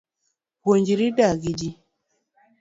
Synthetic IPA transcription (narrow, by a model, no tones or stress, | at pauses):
woɲd͡ʒiɾidaɡid͡ʒi